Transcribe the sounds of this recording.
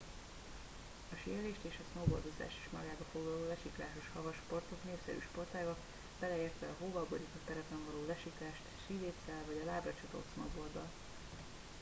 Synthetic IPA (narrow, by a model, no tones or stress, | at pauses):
ɒʃijɛleːʃt̪eːʃɒsmobo̞̰ld̪o̞za̰ːʃi̥ːʃmɒ̰ɡaːbɒfoɡlɒloːlɛʃiklaːʃo̞ʃhɒvɒʃpo̞rt̪o̞kneːfsɛ̰ɾy̰ːʃpo̞rt̪aːbɒ | b̥ɛlɛeːrt̪ɛɒɦoːvɒboɾikɒt̪ɛɾɛpɛɱvɒloːlɛʃikaːʃt̪ʃiveːt̪sɛlvɒɟɒlaːbrɒt͡ʃɒt̪o̰t̪smɒ̰bo̞rd̪ɒ̰l